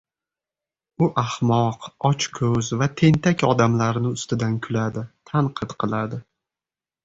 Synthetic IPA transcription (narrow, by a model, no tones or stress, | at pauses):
ʊʔahmɒqɒt͡ʃkʰɵzvat̪ʰe̞nt̪ʰakʲɒd̪amlaɾnɪʊst̪ɪd̪ankʰʊlad̪ɪt̪ʰaɴqʰɨt̪qʰɨlˠad̪ɪ